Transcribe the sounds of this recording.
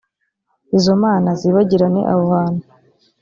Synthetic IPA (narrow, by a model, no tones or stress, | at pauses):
izomaːnaziβaɟiɾanḛʔa̰βohaːnu